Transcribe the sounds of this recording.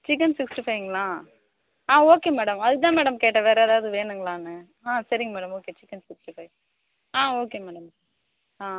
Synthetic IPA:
t͡ʃɪk̬ːɐnsɪksʈifɐɪɪŋɡɐɭãː | ãːoːkeːmɛːɽɐmɐðɯt̪ãːmɛːɽɐmkeːʈːɐʋeːɾɐɐðaːɐðɯʋeːɳɖɯŋɡɐɭãːnɯ | ãːsɐɾɪŋɡɐmɛːɽɐmoːkeːt͡ʃɪkːɐnsɪksʈifɐɪ | ãːoːkeːmɛːɽɐm | ãː

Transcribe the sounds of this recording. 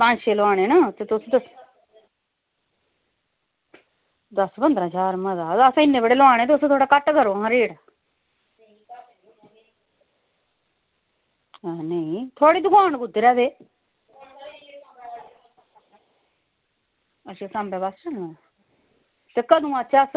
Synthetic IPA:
pə̃ːɲʃeːlaːɽ̃eːnaːt̪eːt̪ʊsd̪əs | d̪əsbənd̪ɾaːd͡ʒaːɾməzaːəsãːɪnːẽːbəɽeːloaːɽ̃eːt̪eʊsːt̪ʰoːɽaːkəʈːɡəɾoːãɾeːɽaː | ɛnəĩt̪ʰoːɽiːd̪ʊɡaːɳɡʊd̪eɾɛːd̪eː | əʃesãːmbɛːbast͡ʃəlnã | t̪eːkəd̪ũːat͡ʃaːs

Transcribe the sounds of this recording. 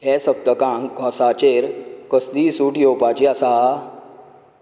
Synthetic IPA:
ɦɛsəb̚t̪əkãŋɡʱɔ̃sat͡ɕeɾkəsd̪iːsuːʈjopat͡ɕiasa

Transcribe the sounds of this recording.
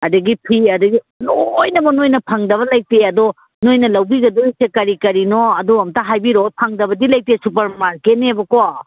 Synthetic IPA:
ɐdɐɡipʰiɐdɐɡi | nojnɐbɐnojnɐpʰaŋdɐβɐlaj̚teɐd̪ɔ | nojnɐlɐwbiɡɐdoisekɐɾikɐɾinoɐduɐmtaɦajbiɾopʰaŋdɐbɐdilajk̚tesupɐɾmaɾket̚nebɐkoa

